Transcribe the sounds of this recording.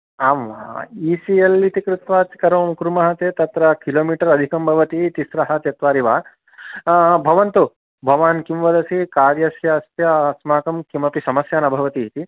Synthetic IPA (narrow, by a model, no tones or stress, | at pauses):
aːmʋa̰iːsielːit̪ikɾut̪ʋaːt̪kɐɾɐːmkɾumɐɦɐt̪eːt̪ɐt̪ɾɐkiloːmiːʈɐɾɐd̪ʱikɐmbʱɐʋɐt̪it̪isɾɐɦɐt̪ɐt̪ʋaːɾiʋaː | bʱɐʋɐnt̪u | bʱɐʋaːnkimʋɐd̪ɐsikaːɾjɐsjɐːst̪jɐsmaːkɐmkimɐpisɐmɐsjaːnɐbʱɐʋɐt̪iːt̪i